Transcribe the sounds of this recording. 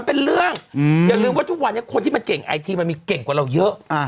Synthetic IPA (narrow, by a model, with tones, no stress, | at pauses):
npe˧nɾɯ˥˩əŋjaː˨˩ɾɯː˧mwa˥˩t̪ʰu˥k̚wa˧nːi˦˥˩kʰo˧nt̪ʰiː˥˩ma˧nke˨˩ŋʔa̰˧jt̪ʰiː˧ma˧nmiː˧ke˨˩ŋkwɾa˧wjɤ˦˥ʔa˧˩